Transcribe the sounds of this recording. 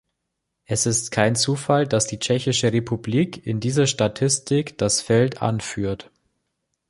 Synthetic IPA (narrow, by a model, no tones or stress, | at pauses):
ʔɛsɪstkʰaɪnt͡suːfaldasd̥iːt͡ʃɛçɪʃəʁepʰubliːkʰɪndiːzɐʃtatʰɪstɪkd̥asfɛlta̰nfyːɐt